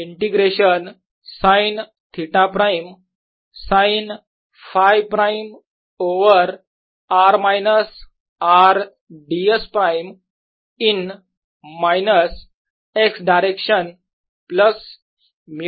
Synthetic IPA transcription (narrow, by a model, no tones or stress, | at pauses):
iɳʈiɡɾeɕən | sãin | t̪ʰiʈãpɾajm | sãin | fajʋpɾaim | oʋəɾ | aɾmajnəs | aɾ | ɖiespɾajm | in | majnəs | eksɖaɾekɕən | pləs | m